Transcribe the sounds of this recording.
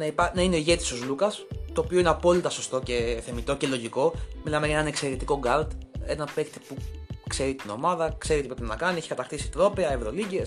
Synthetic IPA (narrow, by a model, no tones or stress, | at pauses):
nɐipɐnɐineoiʝe̞t̪i̥so̞zlukɐst̪o̞ːpio̞ineɐpo̞lit̪ɐso̞st̪o̞ce̞θe̞mit̪o̞ce̞lo̞ʝiko̞milɐmeʝɐenɐnekse̞ɾet̪iko̞ɡɐɾd̪e̞nɐpekt̪i̥pukse̞ɾit̪ino̞̰mɐðɐkse̞ɾiot̪ipɾeinɐkɐnieçi̥kɐt̪ɐxt̪isi̥t̪ɾo̞peɐevɾo̞liʝes